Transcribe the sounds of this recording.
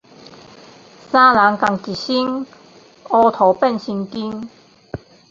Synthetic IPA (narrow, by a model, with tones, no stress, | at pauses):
saː˥laː˨˥ŋka˧ŋki˨˩si˥ŋ | ɔː˧t̪ʰo˨˥wpɛ˥˩nsi˧ŋki˥ŋ